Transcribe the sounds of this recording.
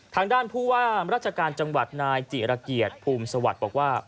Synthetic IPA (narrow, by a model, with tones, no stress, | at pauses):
t̪ʰaː˧ŋdaː˥˩npʰuː˥˩waː˥˩ɾaː˥˩t̪̚t͡ɕʰa˧kaː˧nt͡ɕa˧ŋwa˨˩t̪̚naː˧jt͡ɕi˨˩ɾa˧ki˨˩ət̪̚pʰuː˧msa˧wa˨˩t̪̚bɔː˨˩k̚waː˥˩